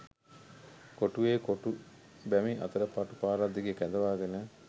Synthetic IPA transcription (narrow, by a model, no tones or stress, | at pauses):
koʈueːkoʈu | bɛmiʔɐ̰t̪əɾəpaʈupaːɾad̪ːiɡekæd̪ɐʋaːɡenə